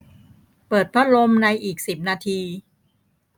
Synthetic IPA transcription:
pɤː˨˩t̪̚pʰɾa˦˥lo˧mna˧jʔiː˨˩k̚si˨˩p̚naː˧t̪ʰiː˧

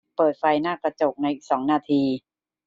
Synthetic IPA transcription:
pɤː˨˩t̪̚fa˧jnaː˥˩kɾa˧t͡ɕo˨˩k̚na˧jʔi˨˩k̚sɔː˩˦ŋnaː˧t̪ʰiː˧

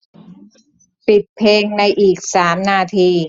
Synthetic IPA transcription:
pi˨˩t̪̚pʰeː˧ŋna˧jʔiː˨˩k̚saː˩˦mnaː˧t̪ʰiː˧

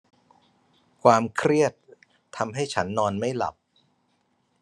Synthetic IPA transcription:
kʰwaː˧mkʰɾi˥˩ət̪ʰː | a˧mɦa˥˩jt͡ɕʰa˦˥nːɔː˧nma˥˩jla̰˨˩p̚

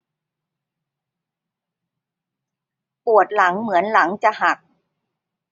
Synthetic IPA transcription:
pu˨˩ə˩t̪̚la˩˦ŋmɯ˩˦ənla˩˦ŋt͡ɕa˨˩ʔɦa˨˩k̚

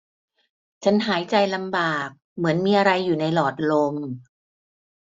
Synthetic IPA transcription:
t͡ɕʰa˦˥nɦaː˩˦jt͡ɕa˧jla˧mbaː˨˩k̚mɯ˩˦ənmiː˧ʔa˧ɾa˧jːuː˨˩na˧jlɔː˨˩t̪̚lo˧m

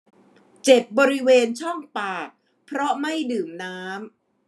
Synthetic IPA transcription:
t͡ɕe˨˩p̚bɔː˧ɾi˦˥weː˧nt͡ɕʰɔ˥˩ŋpaː˨˩t̪̚ | pʰɾɔ˦˥ma˥˩jdɯː˨˩mnaː˦˥m

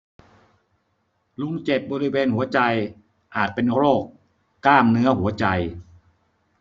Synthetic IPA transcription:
lu˦˥ŋt͡ɕe˨˩p̚bɔː˧ɾi˦˥weː˧nhu˩˦ɐt͡ɕa˧j | ʔaː˨˩t̪̚pe˧nkloː˥˩k | kːlaː˥˩mnɯ˦˥ɐɦu˩˦ɐt͡ɕa˧j

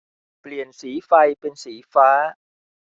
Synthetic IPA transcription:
pli˨˩ənsiː˩˦fa˧jpe˧nsiː˩˦faː˦˥

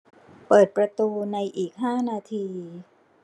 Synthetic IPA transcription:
pɤː˨˩t̪̚pɾa˧t̪uː˧na˧jʔiː˨˩k̚ɦaː˥˩naː˧t̪ʰiː˧

